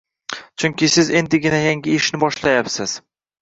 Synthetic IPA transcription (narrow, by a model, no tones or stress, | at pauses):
t͡ʃʰʊŋkʲɪsɪze̞nd̪ɪɡʲɪnajaŋɡʲɪɪʃnɪbɒʃlajapsɪz̥